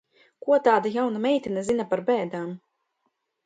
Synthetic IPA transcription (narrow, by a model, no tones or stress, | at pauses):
kuɔt̪aːd̪ajawnamɛjt̪ʲinɛzinapaɾbɛːd̪aːm